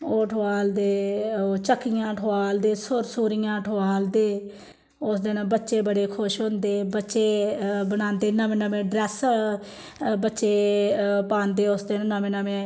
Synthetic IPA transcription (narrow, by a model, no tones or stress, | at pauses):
oːʈʰːaːld̪eːt͡ʃəkːɪjãːʈʰʊaːld̪eːsʊɾsʊːɾijãːʈʰoaːld̪eː | ʊsd̪eːnãːbətːʃeːbəɽeːkʰʊʃɦʊ̃nd̪eːbətːʃeːbənãːnd̪eːnəmẽːnəmẽːɖɾɛːs | bətːʃeːpaːnd̪eːʊsd̪eːnãnəmẽːnamẽː